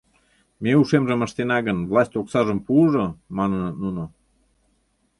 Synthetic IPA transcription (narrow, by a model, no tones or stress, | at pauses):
meuʃemʒəmə̆ʃt̪enɑɣənvlˠɑsʲt̪ʲoksɑʒə̆mpuʒomɑnənnuno